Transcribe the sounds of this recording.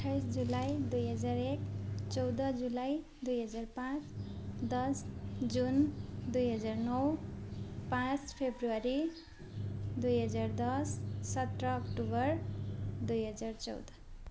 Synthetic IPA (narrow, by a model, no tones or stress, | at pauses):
ʌʈʰːajsd͡zulajd̪ujɦʌd͡zaɾekt͡sʌwd̪ʌd͡zulaj | d̪ujɦʌd͡zarpãt͡sd̪ʌsd͡zund̪ujɦʌd͡zarnʌw | pãt͡spʰebruaɾi | d̪ujɦʌd͡zard̪ʌssʌt̪rʌːkʈubʌrd̪ujɦʌd͡zart͡sʌ̰wd̪ʌ